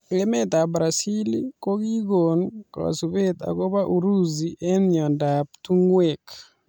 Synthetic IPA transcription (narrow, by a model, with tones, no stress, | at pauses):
ke˦me˦t̪a˨bɾa˨si˦liko˦ki˦ɡonka̰˨su˨be˦t̪a̰˨ko˦βa˦ʔu˨ɾu˦ziʔe˦njɔ˨ndap̚tu˦ŋwe˨k